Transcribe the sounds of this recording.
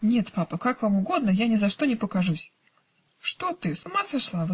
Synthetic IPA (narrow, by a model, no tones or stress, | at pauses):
nʲe̞t̪papəkakvamʊɡo̞d̪̚nəjanʲɪzɐʂt̪o̞nʲɪpəkɐʐusʲ | ʂt̪ot̪ɨsʊmasɐʂlˠav